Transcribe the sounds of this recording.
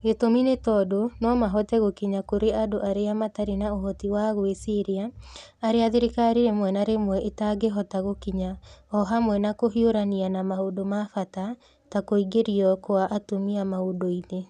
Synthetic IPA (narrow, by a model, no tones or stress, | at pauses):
ɡetominetɔdonɔmaɦɔtɛɣokiɲakoɾeadoʔaɾeamataɾinaoɦɔtiwaɣwesiɾiaːɾeaðeɾikaɾiɾemwɛnaɾemwɛʔetaɡeɦɔtaɣokiɲaɔɦamwɛnakoɦioɾanianamahodomafata | takoiɡeɾiɔkoaʔatomiamaodoine